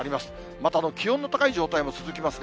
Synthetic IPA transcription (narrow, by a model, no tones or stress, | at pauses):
ɾʲimasɨ̥ | mat̪aːno̞kʲiɦõnːot̪akaiʑo̞ːt̪aimo̞t͡sɨzɨkʲimasɨɡ